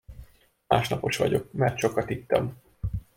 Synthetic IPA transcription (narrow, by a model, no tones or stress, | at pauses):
maːʃnɒpo̞ʃʋɒ̰ɟo̞k̚mɛrt̪ʃo̞kːɒt̪it̪ːɒm